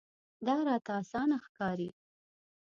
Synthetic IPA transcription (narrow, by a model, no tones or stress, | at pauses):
d̪ɑɾɑt̪aːsɑnaxkɑɾi